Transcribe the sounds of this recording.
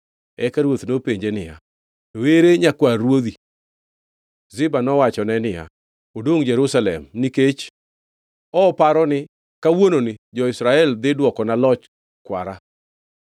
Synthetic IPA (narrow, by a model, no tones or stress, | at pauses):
ɛkaɾwot̪nopeɲd͡ʒenɪja̰ | toweɾeɲakwaːwod̪i | zɪbanɔwat͡ʃɔnɛnɪja̰ | odoŋd͡ʒɛɾusalɛ̰mniket͡ʃ | ɔpaɾɔnɪ | kawononɪd͡ʒɔɪsɾaɛld̪ɪdwɔkɔnalɔt͡ʃ | kwa̰ɾa